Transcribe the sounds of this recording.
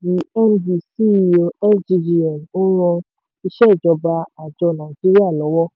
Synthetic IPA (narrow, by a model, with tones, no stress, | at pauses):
i˨˦ɛ˦nbi˨si˦˨o˨ɛ˦d͡ʒi˧ɾi˦ɔ̃˨no˦ɾ̃ɔ̃˧ | i˧ʃɛ˦˨d͡ʒɔ˧˦ba˧a˨d͡ʒɔ˧nã˨i˨d͡ʒi˦ɾi˦a˦˨lɔ˨˦wɔ˦